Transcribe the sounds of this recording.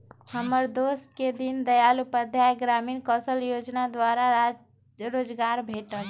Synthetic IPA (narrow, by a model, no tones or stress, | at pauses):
həməɾd̪osʈked̪ind̪əjalupəd̪ʱjajɡɾamiːnkəsəljod͡ʒnad̪waɾaɾa | ɾoːd͡ʒɡaɾbʱeʈəl